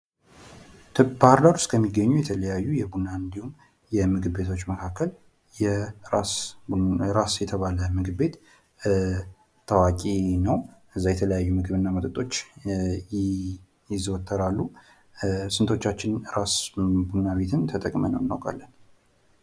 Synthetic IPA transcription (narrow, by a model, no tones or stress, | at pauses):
t̪ʰbhaɾd̪aɾust̪kʰəmːiɡːəɲːujɛt̪ʰələjajːujɛbunːaɨnd̪ihum | jɛmɨɡɨbbe̞t̪ʰo̞t͡ʃːməkʰakːəl | jɛas | ɾasjɛt̪ʰəβaləmɨɡɨbe̞t̪ | t̪ʰəwakʼinəwʔɨzːajɛt̪ʰələjajːumɨɡɨβɨnːamət̪ʼɨt̪ʼo̞t͡ʃːj | jɪzwɔt̪ʰːəɾalːu | sɨnt̪ʰo̞t͡ʃːat͡ʃːɪnɾasbunːaβe̞t̪ʰɨnt̪ʰət̪ʼəkʼmə̰nə̰wɨnːa̰wkʼa̰lːən